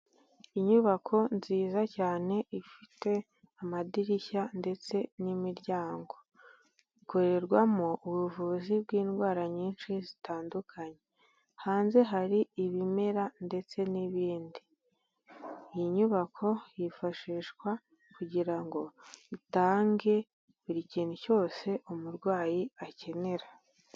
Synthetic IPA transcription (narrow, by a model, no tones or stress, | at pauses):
iɲuβakʰo̞nziːzacaːne̞ʔifite̞ | amadiɾiçande̞t͡se̞nimiɾɟaːŋɡo̞ | iko̞ɾe̞ɾɡwamoʔuβuvuːzibɡiːnɡwaːɾaɲiːnʃizitaːndukʰaɲe̞ | haːnze̞ɦaɾiiβime̞ɾande̞t͡se̞niβiːndi | jiɲuβakʰo̞jifaʃiːʃkwa | kuɟiɾaŋɡo̞itaːŋɡe̞ | βiɾiciːn̤uco̞ːse̞ʔomuɾɡwaːjiace̞ne̞ɾa